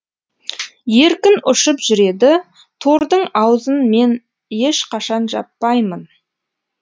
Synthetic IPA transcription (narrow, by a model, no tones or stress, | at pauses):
je̞ɾkʲɪnʏʃəpʒ̥ʏɾe̞d̪ɪ | t̪ʰo̞ɾd̪əɴɑwzənme̞n | je̞ʃqʰɑʃɑnʒɑpːɑjmən